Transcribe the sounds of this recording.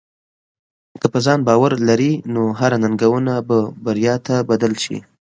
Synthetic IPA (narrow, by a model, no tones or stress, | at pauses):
kəpəzɑnbɑwaɾlaɾinoɦaɾananɡawunababaɾjɑt̪abad̪əlʃḭ